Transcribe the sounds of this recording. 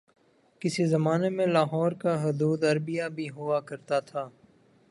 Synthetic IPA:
kɪsizɐmaːnemẽlaːɦɔːɾkaɦʊd̪uːd̪ɐɾbijabʱiɦʊakɐɾt̪at̪ʰaː

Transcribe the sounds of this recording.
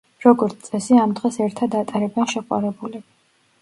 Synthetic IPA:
ɾɔɡɔɾt̪ʰt̪sʼɛsiamd̪ʁɛsɛɾt̪ʰad̪at̪ʼaɾɛbɛnʃɛχʼwa̰ɾɛbulɛ

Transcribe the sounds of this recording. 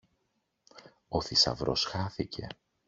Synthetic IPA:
o̞θisɐ̰vɾo̞̰sxɐθicʰe̞̰

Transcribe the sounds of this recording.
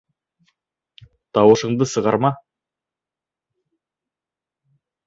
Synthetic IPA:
t̪ɑwɤ̆ʃɤ̆ɴd̪ɤsɤ̆ʁɑɾmɑ

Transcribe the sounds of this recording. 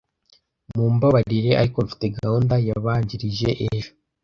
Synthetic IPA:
muːmbaβaɾiɾe̞a̰ɾikoɱfi̥te̞ɡaundajaβaːɲɟiɾiʒe̞ʔeʒo

